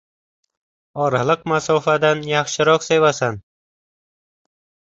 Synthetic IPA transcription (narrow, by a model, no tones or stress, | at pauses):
ɒɾalˠɨqmasɒfad̪anjɑχʃɪɾɒqsevasan